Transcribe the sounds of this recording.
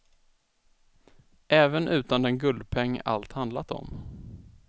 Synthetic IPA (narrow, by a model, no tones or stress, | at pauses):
ʔɛːvənʔʉ̟ːt̪and̪ɛnɡɵld̪pʰɛŋːa̰lt̪hand̪lat̪ɔ̰m